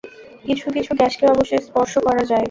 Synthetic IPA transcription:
kit͡ɕʰukit͡ɕʰuɡɛʃkeɔboʃeɾspɔɾʃokɔɾad͡ʑae

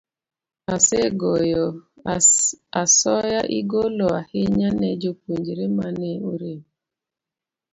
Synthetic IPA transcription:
aseɡojɔ | asɔjaʔiɡolɔaheɲanɛd͡ʒop̚uɲd͡ʒiɾemaneoɾe

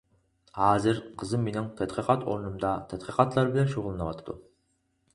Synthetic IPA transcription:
hɑːzɨɾqʰəzɨmːenɪŋt̪ʰɛd̪qʰəqʰɑt̪ʰo̰ɾnumd̪ɑt̪ʰɛd̪̥qʰəqʰɑt̪ʰlˠɑɾbɪlɛnʃoʁlˠɨnɨwɑt̪ʰɨd̪ṵ

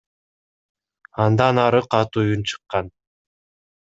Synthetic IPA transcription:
ɑnd̪ɑnɑɾɯqɑt̪ujunt͡ʃʰɯ̥qːɑn

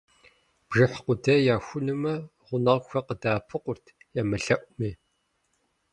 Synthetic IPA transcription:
b̥ʒɨħqʷʊdɐjaːxʷʊnɨmɐʁʷʊnɐʁxʷɐqədaːpʰɨqʷʊrtʰ | jaːmɨɬɐʔʷʊmeː

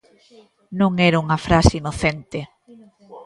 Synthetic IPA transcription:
nõŋɛɾauŋɐfɾaseinoθent̪ɪ

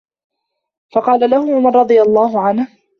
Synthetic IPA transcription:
fɑqɑːlalahʊʕʊmɑɾˤɾˤɑd̪ˤɨjalˤːɑːɦʊʕanh

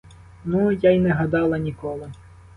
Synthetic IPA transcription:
nujajnɛɦɐd̪ɑlˠɐnʲikɔlˠɪ

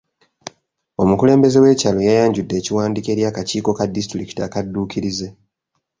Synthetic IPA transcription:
o̞mukule̞ːmbe̞ze̞we̞ːcalojajaːɲɟudːe̞ːciwaːndike̞ːɾjaːkaciːko̞kadistɾiki̥ta̰kadːuːkiɾize̞

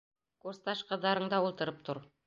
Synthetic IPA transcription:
kuɾst̪ɑʃqɤ̆ðːɑɾɤ̆ɴd̪ɑwulˠt̪ɤ̆ɾɤp̚t̪oɾ

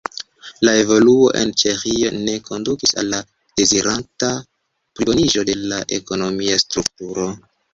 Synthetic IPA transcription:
lae̞vo̞luo̞ʔe̞̰nt͡ʃe̞xio̞ne̞kʰo̞ndukisa̰lːa | d̥e̞ziɾʔanta | pɾioniʒo̞de̞laʔe̞ko̞no̞miastɾuk̚tuɾo̞

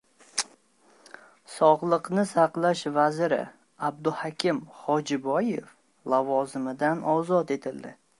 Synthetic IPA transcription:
sɒʁlˠɨqnɪsaqlˠaʃvazɾɪ̰ | ab̚d̪ʊhakʲʰɪmhɒd͡ʒɪbɒjef | lavɒzɪmɪd̪anɒzɒt̪e̞t̪ʰɪld̪ɪ

